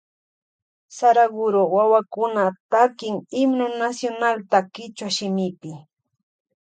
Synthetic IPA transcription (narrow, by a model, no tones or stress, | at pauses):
saɾaɡʊɾowawakʊnat̪akɪŋɪmnonasjonalt̪akɪt͡ʃwaʃɪmɪpɪ